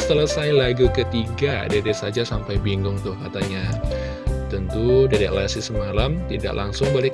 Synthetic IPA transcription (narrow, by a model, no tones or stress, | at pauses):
st̪ələsajlaɡukət̪iɡadadɛsad͡ʒasampajbiŋɡʊŋt̪ʊhkat̪aɲa | t̪ənt̪udadaʔlasɪsəmalamt̪ida̰ʔlʔaŋsʊŋbalɪ